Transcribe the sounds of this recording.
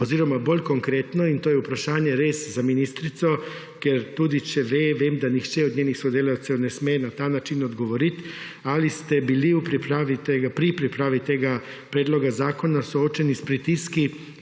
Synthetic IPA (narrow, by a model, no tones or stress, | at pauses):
oziːɾɔmabolʲkoŋkɾeːt̪nɔint̪oːjɛupɾaʃaːnjɛɾeːszaminist̪ɾit̪sɔ | kɛɾt̪uːd̪it͡ʃɛʋeʋeːmd̪anixt͡ʃɛɔd̪ɲeːnixsod̪elaw̪sɛwnɛsmɛnat̪aːnat͡ʃinɔd̪ɡoʋoɾit̪ | alist̪ɛbiliupɾipɾaːʋit̪eɡapɾipɾipɾaːʋit̪eːɡa | pɾeːd̪lɔɡazaːkonasoot͡ʃɛnispɾit̪iski